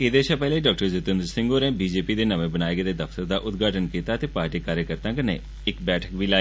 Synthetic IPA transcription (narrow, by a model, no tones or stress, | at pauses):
ɪd̪eːʃʰãːpɛːleːɖaːk̚ʈəɾzɪt̪ə̃nd̪əɾsɪ̃ŋɡoːneːbiːd͡ʒeːpiːd̪eːnəʋẽːbənaːeɡed̪eːd̪əft̪əɾd̪aːʔʊt̪ɡaːʈʰənkiːt̪aːt̪eːpaːɾʈiːkaːɾjəkəɾt̪ãːkənḛː | ɪkbɛːʈʰə̥kʋiːlaː